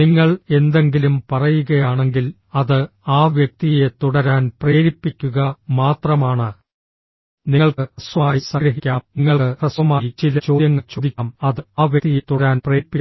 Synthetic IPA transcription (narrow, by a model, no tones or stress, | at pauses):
niŋːɐɭe̞nd̪e̞ŋɡilumpɐrɐjuɣɐjaːɳe̞ŋɡil | ɐðɨaːʋjɐk̚t̪ije̞t̪uɽɐɾaːnpreːɾipːikʲːuɣɐmaːt̪rɐmaːɳɨ | niŋːɐɭkɨrɐsʋɐaːjisɐɡɾɐɦikʲːaːmniŋːɐɭrɐsʋɐmaːit͡ɕilɐt͡ɕoːd̪jɐŋːɐɭt͡ɕoːd̪ikʲːmɐðɨaːʋjɐkt̪ijet̪ːuɽɾaːnpreːpːi